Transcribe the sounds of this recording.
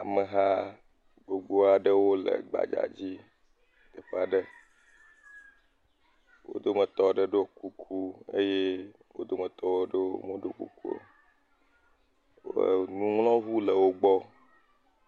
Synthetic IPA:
a˨me˨ɦa˦ | ɡ͡bo˨ɡ͡bo˦a˨ɖə˦wo˦lə̰˨ɡ͡ba̰˨d͡ʒa̰˨d͡ʑi˦ | t̪ə˨ɸe˦a˨ɖə˦ | wo̰˦d̪o˦mə̃˨t̪ɔ˦ɖə˦ɖo˦ku˦kʰu˦ḛ˦je˦ | wo̰˦d̪o˦mẽ˨t̪ɔ˦wo˦ɖe˦o̰˦mõ˦ɖo˦kṵ˦˨ku˦o̰˨ | wo̰˦˨nũ˦ŋlɔ̃˦vu˦lə˨wo˦ɡ͡bɔ˦

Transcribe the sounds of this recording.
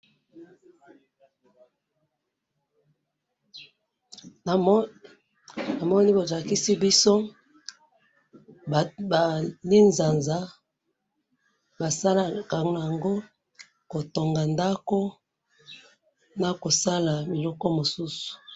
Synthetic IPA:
na˨mɔ˦ni˦bo˨za˨ki˦si˦bi˦so˦˨ | ba˨li˦nza˨nza˦ | ba˨sa˦la˨ka˨ŋ˦na˨a˨ŋɡo˦ | ko˨to˨ŋɡa˨nda˦ko˦ | na˨ko˨sa˦la˨mi˨lɔ˦kɔ˦mo˨su˦su̥˨

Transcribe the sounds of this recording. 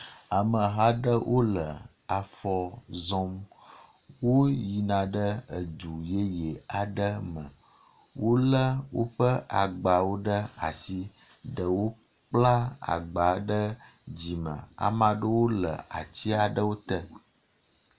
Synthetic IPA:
a˨mə̃˨ɦa˦ɖə˦wʔo˦lə˨ | a˨fɔ˨zɔ̃˦m | wo˦ji˨nã˨ɖə˦ə˨d͡ʒu˨je˦jɛ˨a˨ɖə˦mə̃˨ | wo˦lə˦wo̰˦ɸə˦ʔa˨ɡ͡ba˨wo˦ɖə˦a̰˨si˦ | ɖə˨wo˦ | k͡pla˦a̰˨ɡ͡ba˨ɖə˦d͡ʑi˨mə̰̃˨a̰˨mã˨ɖə˦wo˦lə̰˨a˨t͡ɕi˦a˨ɖə˦wo˦t̪ə˦

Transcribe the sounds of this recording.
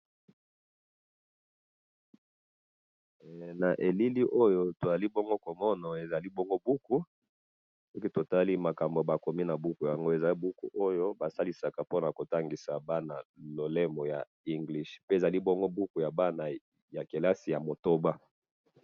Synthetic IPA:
na˨ʔe˨li˦li˦ʔo˦jo˦to˨za˨li˦bɔ˦ŋɡo˦ko˨mɔ˦nɔ˨e˨za˨li˦bɔ˦ŋɡo˦bu˦ku˦ | se˦ki˦to˨ta˦li˦ma˨ka˨mbo˨ba˨ko˨mi˦na˨bu˦ku˨ja˨ŋɡo˦e˨za˨li˦bu˦ku˨ʔo˦jo˦ba˨sa˦li˨sa˨ka˨po˦na˨ko˨ta˦ŋɡi˨sa˨ba˦na˨lo˨lɛ˦mo˨ja̰˨ | i˦ŋɡli˦ʃpe˦e˨za˨li˦bɔ˦ŋɡo˦bu˦ku˨ja˨ba˦na˨ | ja˨ke˨la˦si˨ja˨mo˨to˦ba˦

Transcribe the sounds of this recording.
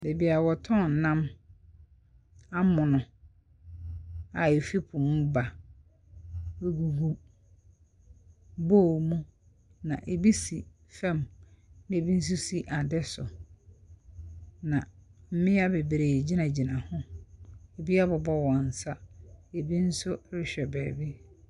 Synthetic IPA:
de˨bi˨a˨wɔ˨tʰɔ̃˦˨n̩˨nã˦m | a˦mʊ̃˨nʊ̃˨ | a˨e˨fi˦pʰʊ̃˨m˦ba˨ | e˦ɡu˨hu˦ | bo˦˨mũ˦ | nã̰˨ʔe˨bi˦si˨ | fɛ̃˦˨mñ˦e˨bi˦n̩˦s̬ʊ˦si˦ʔa˨dɛ˦sʊ˨ | nã˨m̩˦mɪ̃˦a˦be˨bɾe˨d͡ʑi˦nã˨d͡ʑi˨nã˨hʊ̃˦ | e˨bi˦a˦bɔ˨bɔ˦wɔ̃˨n̩˨sa˦e˨bi˦n̩˦sʊ˦ɾɪ˦ɕᶣɛ˨bɛː˨bi˦

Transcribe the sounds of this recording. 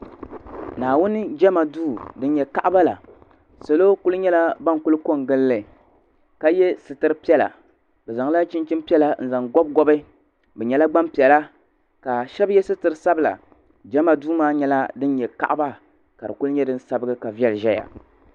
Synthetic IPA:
naː˨wʊ˦nɨ˦d͡ʒɛ˦ma˨duː˦˨dɨ˦njɛ˨ka˦ʔba˦la̰˨ | sa˨lo˦ku˦lɨ˦ɲɛ˦la˦ba˦ŋku˦lɨ˦ko˦ŋɡɨ˦lːɨ˨ | ka˦jɛ˦sɨ˨tɨ˦ɾɨ˦pi˦ɛ˦la̰˨ | bɛ˨za˨ŋ˦la˦t͡ʃi˦nt͡ʃi˦mpi˦ɛ˦la˦n̩˨za˨ŋɡɔ˦b̚ɡɔ˦bɨ˦ | bɛ˨ɲɛ˨la˦ɡ͡ba˦mpi˨ɛ˨la˦ | ka˨ʃɛ˦bjɛ˦sɨ˦tɨ˨ɾɨ˦sa˦bɨ˨la̰˨ | d͡ʒɛ˦ma˨duː˦maː˦ɲɛ˦la˦dɨ˦n˦jɛ˨ka̰˦˨ʔba˦ | ka˨dɨ˨ku˦lɨ˦ɲɛ˦dɨ˦n̩˦sa˦bɨ˦ɡɨ˦ka˨vi˦ɛ˦lɨ˨ʒɛ˦ja̰˨

